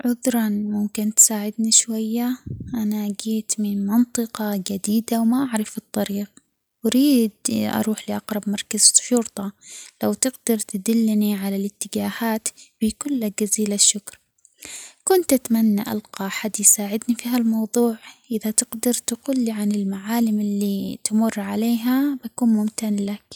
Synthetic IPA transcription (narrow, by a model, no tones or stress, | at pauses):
ʕʊðɾˤɑnmʊmkɪnt̪saːʕɪd̪niʃwajːaʔanaɡiːt̪mɪnmɑnt̪ˤɨqɑd͡ʒad̪iːd̪awmaʔaʕɾˤɑfɨt̪ˤːɑɾiːq̚ | ʔaɾiːd̪̚ʔɑ̰ɾˤuːħlɪʔɑqɾˤɑbmɑɾˤkaz̥ʃʊɾt̪ˤɑlawt̪ɪɡd̪ɑɾˤt̪ɪd̪ɪlːniʕalalɪt̪ːɪd͡ʒaːhaːt̪b̥ikʊlːad͡ʒaziːlaʃːʊkɾˤ | kʊnt̪ʔat̪manːaʔa̰lqɑħad̪jsaːʕɪd̪nifiɦalmɑwðˤuːʕʔɪðat̪ɪɡd̪ɑɾˤt̪ɡʊlːiʕanɪlmaʕaːlɪmɪlːit̪ɪmʊrːʕaleːɦabakuːnmʊmt̪anlak